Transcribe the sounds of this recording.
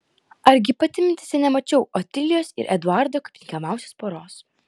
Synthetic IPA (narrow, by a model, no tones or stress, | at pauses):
ɐɾʲɡʲɪpɐt̪ʲɪmʲɪnʲt̪ʲɪ̥sʲɛnʲɛmɐt͡ʃʲɛʊʔɔt̪ʲɪlʲɪjoːsɪ̰ɾʔɛd̪ʊɑɾd̪oːkɐpʲt̪ʲɪŋʲkʲɛmɑˑʊsʲoːspoːɾoːs